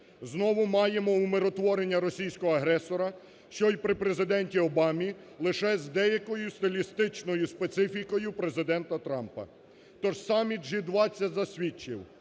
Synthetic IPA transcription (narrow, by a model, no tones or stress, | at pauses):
znɔʋʊmɑjemɔumeɾɔt̪ʋɔɾenʲːɐɾɔsʲijsʲkɔɦɔɐɦɾɛsɔɾɐ | ʃt͡ʃɔjpɾɪpɾezɪd̪ɛnʲtʲiɔbɑmʲi | lˠɪʃɛzd̪ɛjɐkɔjʊst̪ɔlʲist̪ɪt͡ʃnɔjʊspet̪sɪfʲikɔjʊpɾe̞zɪd̪ɛnt̪ɐt̪ɾɑmpɐ̰ | t̪ɔʒsɑmʲit̪ʒid̪ʋɑt͡sʲːɐtʲzɐsʲʋʲit͡ʃːɪ̰w